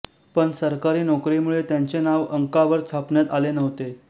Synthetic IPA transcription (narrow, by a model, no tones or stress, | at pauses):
pəɳsəɾkaɾiːnɔkɾiːmuɭet̪jaɲt͡senaʋəŋkaʋəɾt͡sʰapɳjat̪alenəɦt̪e